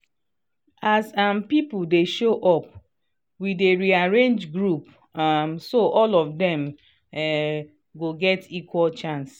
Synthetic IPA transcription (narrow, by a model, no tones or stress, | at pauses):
azãmpipul̩deʃoʔɔp | wideɹiaɹẽnd͡ʒɡɹup | msoʔɔlɔvdɛ̃m | ɡoɡɛtikwɔlt͡ʃãns